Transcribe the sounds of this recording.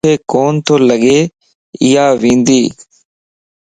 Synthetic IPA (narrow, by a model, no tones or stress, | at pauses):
eːkoːnt̪ʰoːləɠeː | ɪjaːʋĩːnd̪iː